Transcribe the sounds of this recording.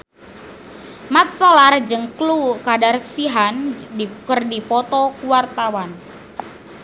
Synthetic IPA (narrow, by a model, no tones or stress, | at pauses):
mat̪̚sɔlard͡ʒɨŋklukadarsiɦankərdipɔt̪ɔkuwart̪awan